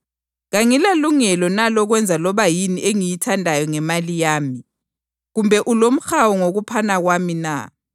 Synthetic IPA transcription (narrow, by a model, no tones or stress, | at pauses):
ɣaŋilaluŋɛlɔnalɔɣwɛnd͡zʱalɔβajiniʔeŋijitʰandʱajɔŋɛmalijaːmi | ɣumbʱɛʔulom̩xawɔŋoɣupʰanaɣwamina̰